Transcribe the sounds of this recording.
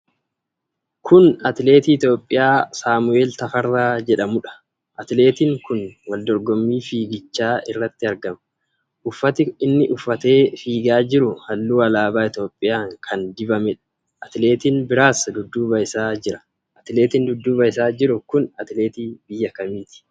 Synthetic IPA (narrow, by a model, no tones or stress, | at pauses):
kʊnɐt̪ɪle̞ːt̪iːɪt̪jo̞ːpʼːɪjaːsaːmʊe̞ːlt̪ɐfɐrːaːd͡ʒɛᶑɐmʊᶑɐ̥ | ʔɐt̪le̞ːt̪iːŋkʊnwɐld̪ɔɾɡɔmːiːfiːɡɪt͡ʃːaːɪrːɐt̪ːɪɐɾɡɐmɐ̥ | ʔʊfːɐt̪ɪɪnːɪʔʊfːɐt̪e̞ːfiːɡaːd͡ʒɪɾʊhɐlːuːɐlaːbaːɪt̪jo̞ːpʼːɪjaːŋkʰɐnd̪ɪbɐmɛᶑɐ̥ | ʔɐt̪ɪle̞ːt̪iːnbɪɾaːsɐd̪ʊd̪ːuːbɐjɪsaːd͡ʒɪɾɐ̥ | ʔɐt̪ɪle̞ːt̪ɪnd̪ʊd̪ːuːbɐjɪsaːd͡ʒɪɾʊkʊnɐt̪ɪle̞ːt̪iːbɪjːɐkɐmiːt̪ɪ̥